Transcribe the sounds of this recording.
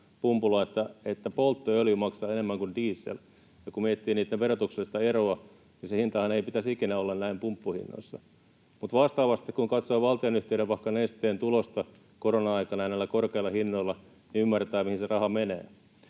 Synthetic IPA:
pumpulɑet̪ːæet̪ːæpolt̪ːoøljymɑksɑːenemːæŋkundiːsːḛl | jɑkummiet̪ːiːniːt̪ːeʋerot̪uksest̪ɑeroɑ | nisehint̪ɑhɑneipit̪æsikinæolːɑnnæimpumpːuhḭnːo̰isːɑ̰ | mut̪ʋɑst̪ɑːʋɑst̪ikkuŋkɑt̪soːʋɑlt̪ionyht̪eyɾeʋpɑhkːɑnest̪eːnt̪ulost̪ɑ | koronɑɑikɑnɑjænelːækorkeilːɑhinːoilːɑ | niymːært̪æːmihinserɑhɑmenḛː

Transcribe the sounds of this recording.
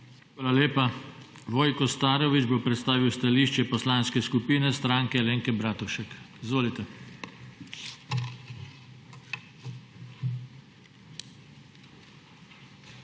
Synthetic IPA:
xʋaːlaleːpa | ʋɔːjkɔst̪aːɾɔʋid͡ʒbopɾɛt̪st̪aːʋiwst̪aliʃt͡ʃɛpɔslaːnskɛskupiːnɛst̪ɾaːŋkɛleːŋkɛbɾaːt̪uʃɛkizʋoːlit̪ɛ

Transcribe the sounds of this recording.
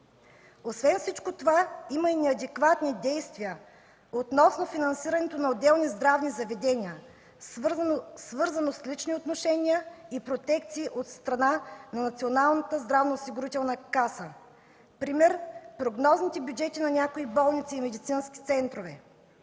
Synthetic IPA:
osvɛnfsit͡ʃkot̪ovaimɐinɛɐd̪ɛkvat̪nid̪ɛjst̪viə | ot̪nɔsnofinɐnsiɾɐnɛt̪onɐod̪ɛlˠnizd̪ɾavnizɐvɛd̪ɛniə | svɤɾzɐnoslit͡ʃniot̪noʃɛnʲijəipɾot̪ɛk̚t̪siːʔot̪st̪ɾɐnanɐnɐt̪sʲionalˠnət̪əzd̪ɾavnɐosiɡʊɾit̪ɛlˠnəkasə | pɾimɛɾpɾoɡnɔznit̪ɛbjud͡ʒɛt̪inɐnʲakoibɔlˠnit̪siːmɛd̪it̪sinskʲi̥t̪sɛnt̪ɾovɛ̰

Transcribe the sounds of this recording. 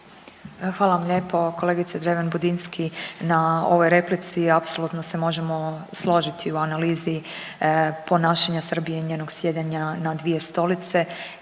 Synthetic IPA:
xʋaːlaʋamʎe̞ːpo̞ko̞le̞ːɡit̪sed̪ɾeʋanbud̪inskʰinao̞ʋo̞jɾe̞plit̪siapsolˠut̪nose̞mo̞ʒe̞mo̞slˠo̞ʒit̪ʰiuanaliːzi | po̞naːʃaɲasr̩bijeɲe̞ːno̞ɡsje̞d̪aɲanad̪ʋije̞st̪o̞lit̪se̞

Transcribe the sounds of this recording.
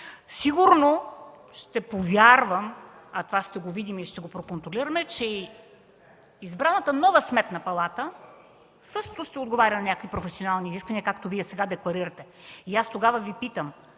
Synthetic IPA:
siɡuɾno | ʃt̪ɛpovʲjaɾvəm | ɐt̪ovaʃt̪ɛɡovid̪imilʃt̪ɛɡopɾokont̪ɾoliɾɐmɛt͡ʃɛ | izbɾanət̪ənɔvəsmɛt̪nɐpɐlˠat̪ə | sɤʃt̪ot̪oʃt̪ɛod̪̚ɡovaɾʲɐnɐnʲakovipɾofɛsionalˠniːziskvɐniəkakt̪oviɛsɛɡad̪ɛklˠɐɾiɾɐt̪ɛ | iast̪oɡavəvipit̪əm

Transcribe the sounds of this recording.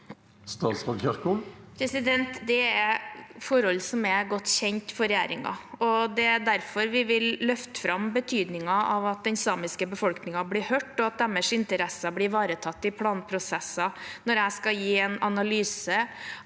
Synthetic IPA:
st̪ɑːt̪sʋɑçœɾkuːlpʰɾɛsɪd̪ɛnt̪d̪ɛæɾfɔɾɔlːsɔmæɡɔt̪ːɕçɛɲt̪fɔɾɛjæ̰ːɾɪŋɑ̰ɔd̪ɛæd̪æɾfɔɾʋɪʋɪlːœft̪ə̥fɾɑmbət̪ʰyːd̪nɪŋɑɑʋɑt̪̚d̪ɛnsɑːmɪskəbəfɔlknɪŋɑblɪɾhœːʈːɔɑt̪̚d̪ɛmːəʂɪnt̪əɾɛsɑblɪɾʋɑːɾət̪ʰɑt̪ːɪpʰlɑːnpʰɾʊsɛsɑnɔɾæɪskɑjiːɛnɑnɑlyːsə

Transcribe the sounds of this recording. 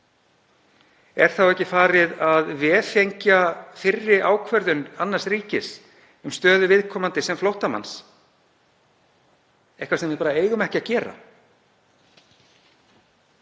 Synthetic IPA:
ɛɾ̥θawɛhcɪfaːɾɪðaðvɛːfejɲcafɪrːɪʔaːwkʰvœɾðʏnanːaɾsɾiːcɪs | ʏmst̪œːðʏvɪðkʰɔːmant̪ɪsɛmflowht̪ama̰ns | ɛhkvasɛmvɪðpaːɾaeːjɣʏmɛhcɪacɛːɾa̰

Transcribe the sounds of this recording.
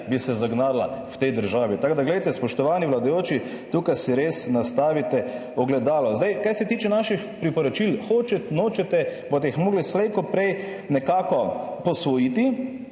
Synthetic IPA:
bisɛzaɡnaːdla̰wt̪ɛjd̪əɾʒaːʋit̪aɡd̪aɡlɛjt̪ɛspɔʃt̪ɔʋaːniʋlad̪ajoːt͡ʃi | t̪uːkajsiɾesnast̪aːʋit̪ɛ | ɔɡlɛd̪aːlɔzd̪ajkajsɛt̪iːt͡ʃɛnaʃixpɾipɔɾɔt͡ʃilxoːt͡ʃɛt̪noːt͡ʃɛt̪ɛbot̪ɛixmoːɡlislɛjkɔpɾɛj | nɛkaːkɔpɔsʋɔjit̪i

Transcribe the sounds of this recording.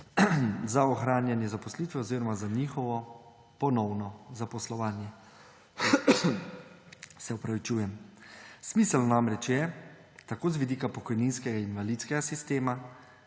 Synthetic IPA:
zaɔxɾaːnjanjɛzapɔsliːt̪ʋɛɔziːɾɔmazaɲixɔʋɔ | pɔnɔwnɔzapɔslɔʋaːnjɛ | sɛɔpɾaʋit͡ʃuːjɛmsmisəlnamɾɛt͡ʃjɛ | t̪akoːzʋid̪iːkapɔkɔjninskɛɡainʋalit̪skɛɡasist̪eːma

